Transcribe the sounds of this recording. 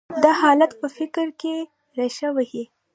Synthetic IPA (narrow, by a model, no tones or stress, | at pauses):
d̪ahɑlat̪pəfɪkɾke | ɾaʃəwahi